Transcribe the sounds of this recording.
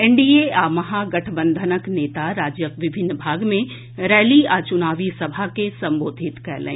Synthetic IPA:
ɛɳɖieaːmɐɦaɡɐʈʰbə̃nd̪ʱənəkneːt̪aɾaːd͡ʒjəkʋɪbʱɪnːbʱaːɡmẽ | ɾɛːliaːt͡ʃʊnaːʋisɐbʱakesɐ̃mboːd̪ʱɪt̪kɛlḛ̃ː

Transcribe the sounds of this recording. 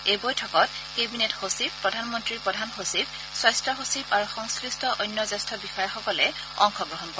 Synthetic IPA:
ejbojtʰɔkɔt | kebinetxosippːɹɔdʱanmɔntɹiɹpɹɔdʱanxosib | swajstɹɔxosibaɹuxɔŋskɹistɔʔojnjɔzastɔbixɔjɔxɔkɔlɛ | ɔŋxɔɡɹɔɦɔnkɔɹɛ

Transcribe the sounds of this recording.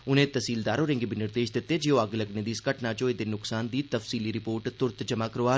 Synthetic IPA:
ʊnẽːt̪əsiːld̪aːɾoːɾɪ̃ŋɡibʱinɪɾd̪eːʃd̪ɪt̪ːeːd͡ʒeːoəɡləɡned̪iːskəʈnaːt͡ʃoːed̪enʊksaːnd̪iːt̪əfsiːliːɾɪpoːɾʈt̪ʊɾt̪d͡ʒəmaːkəɾoaː

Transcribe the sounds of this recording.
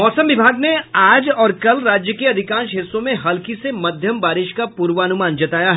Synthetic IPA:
mɔːsə̃mʋɪbʱaːɡneaːd͡ʒɔːɾkɐlɾaːd͡ʒjəkeɐd̪ʱɪkãːnʃɦɪsːõmẽɦɐlkisemɐd̪ʱjəmbaːɾɪʃkapuːɾʋəɐnʊmaːnd͡ʒɐt̪aːjaɦɛ

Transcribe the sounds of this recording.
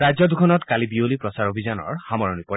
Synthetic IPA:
ɾajd͡ʒɔd̪ukʰɔnɔt̪kalibiolipɹɔsaɹobʱizanɔ̰ɹhamɔɹɔnipɔ

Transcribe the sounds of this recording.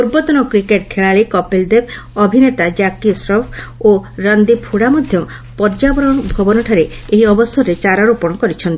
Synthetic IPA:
uɾbɔt̪ɔnɔkɾikeʈkʰeɭaɭekɔpeld̪eb | ɔbʱinet̪ad͡ʒakisɾɔpʰoɾand̪ipʰuɽamɔd̪ʱjɔ | pɔɾd͡ʒabɔɾɔbʱɔbɔnɔʈʰaɾeeɦiɔbɔsɔɾet͡ʃaɾɔɾupɔɽ̃ɔkɔɾit͡ʃʰɔnt̪i

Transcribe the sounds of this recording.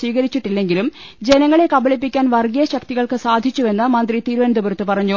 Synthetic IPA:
ʋiːɣɐɾit͡ɕːiʈːilːe̞ŋɡilumd͡ʑe̞nɐŋːɐɭe̞kɐbɐɭipːikʲːaːnʋɐrɡijɐɕɐk̚t̪iɣɐɭkɨsaːd̪ʱit͡ɕːuʋe̞nːɨmɐnd̪rit̪iːɾʋɐnd̪ʱɐbɐɾut̪ːɨpɐrɐɲːu

